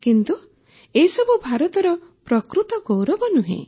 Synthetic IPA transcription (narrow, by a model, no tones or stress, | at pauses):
kint̪u | esɔbubʱaɾɔt̪ɔɾɔpɾɔkɾut̪ɔɡowɾɔbɔnuɦḛ̃